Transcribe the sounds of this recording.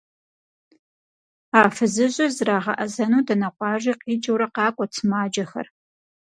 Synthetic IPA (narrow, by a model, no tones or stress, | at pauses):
aːfɨzɨʑɐzraːʁɐ̰ʔɐzɐnuːdɐnɐqʷʼɑːʒʷiːqiːd͡ʒʼɐwɾɐqɑːkʷʼɔt͡sʰɨmaːd͡ʒɐxɐ̰r